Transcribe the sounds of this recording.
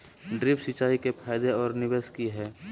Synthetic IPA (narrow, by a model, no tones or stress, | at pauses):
ɖɾɪpsɪt͡ʃaːikepʰaːjd̪eɔːɾnɪbeːskiɦɛː